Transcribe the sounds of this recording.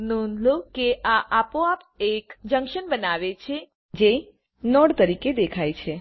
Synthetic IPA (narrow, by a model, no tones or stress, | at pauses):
nunlokeʔaʔapoap | ekd͡ʒə̃ŋkʃənbənaʋet͡ʃʰe | d͡ʒe | nɔɽt̪əɾiked̪ekʰajt͡ʃʰe